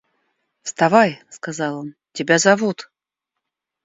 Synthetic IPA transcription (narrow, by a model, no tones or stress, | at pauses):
fst̪avajskazɑlˠon | tʲɪbʲazavut̪